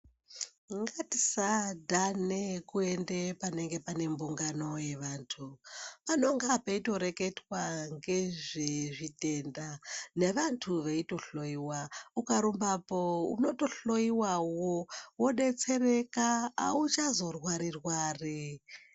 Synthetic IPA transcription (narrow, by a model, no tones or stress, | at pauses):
ŋɡati̥sadʱanekue̞ndepane̞ŋɡe̞pane̞mbuŋɡano̞je̞ʋaːntʰupano̞ŋɡapeito̞ɾe̞ke̞twaŋɡe̞ʐeʐite̞ndane̞ʋantʰuʋeito̞ɬo̞iwaukaɾumbapoṵno̞to̞ɬo̞iwawowo̞ɗe̞t͡se̞reka̰ːut͡ʃazo̞rwaɾirwaːri